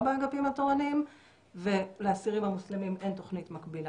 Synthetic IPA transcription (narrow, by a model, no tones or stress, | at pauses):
baaɡapimatoʁanim | ve̞leasiʁimamuslimimʔe̞nto̞χnitmakbila